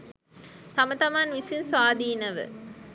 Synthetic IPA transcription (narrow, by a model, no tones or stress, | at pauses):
t̪ɐmɐt̪ɐmaːnʋisinsʋaːd̪iːnɐʋɨ̰